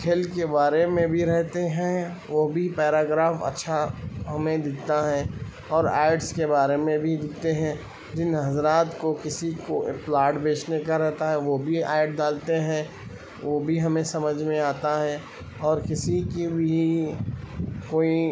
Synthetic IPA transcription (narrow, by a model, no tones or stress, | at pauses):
kʰeːlkebaːɾemẽbʱiɾɛɦt̪eɦɛ̃ | ʋobʱipɛːɾaːɡɾaːfɐ̰tːʃʰaɦɐmẽd̪ɪt̪aɦɛ | ɔːɾa̰ːɪɖskebaːɾemẽbʱid̪ɪt̪eɦɛ̃ | d͡ʒɪnɦɐzɾaːt̪kokɪsikoplaːʈbeːt͡ʃnekaɾɛɦt̪aɦɛʋobʱiaːɪʈ̚ɖaːlt̪eɦɛ̃ | ʋobʱiɦɐmẽsɐməd͡ʒʱmẽaːt̪aɦɛ | ɔːɾkɪsikibʱi | koːi